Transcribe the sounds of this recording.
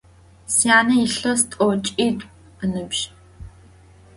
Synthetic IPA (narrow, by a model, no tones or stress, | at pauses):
sjaːnɐjiɬɐstʼowt͡ʃʼiːtʼ | ənɨbʒ̥